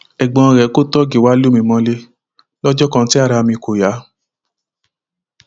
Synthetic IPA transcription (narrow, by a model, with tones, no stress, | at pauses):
ɛ˨ɡ͡bɔ̃˨˧ɾɛ˨˦ko˦˨tɔ˦ɡe˨wa˦lu˦mĩ˧mɔ̃˧le˦ | lɔ˦d͡ʒɔ˦kã˧˦ti˦a˦˨ɾa˧mĩ˧ko˨ja˨˦